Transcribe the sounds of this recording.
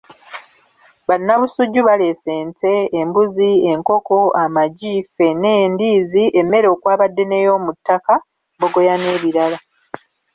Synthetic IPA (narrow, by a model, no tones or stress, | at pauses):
βanːaβusuɟːuβale̞se̞ːnte̞ːmbuzie̞ŋko̞ko̞ʔamaɟiːfe̞ne̞ːndiːziʔemːe̞ɾo̞ːkwaːβadːe̞ne̞jo̞ːmutːaka | βoɡo̞jane̞ːβiɾala